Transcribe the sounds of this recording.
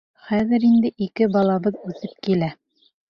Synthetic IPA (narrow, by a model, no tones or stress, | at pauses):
χæðɘ̆ɾind̪ɘʔikɘbɒlˠɑbɤðʉθɘp̚kilæ